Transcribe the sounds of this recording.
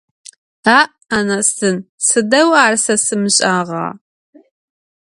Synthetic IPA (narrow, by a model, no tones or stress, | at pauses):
aːʔ | ɐnɐstʰɨnsɨdɐwaːrsɐsɨmɨɕʼaːʁɑ̰ː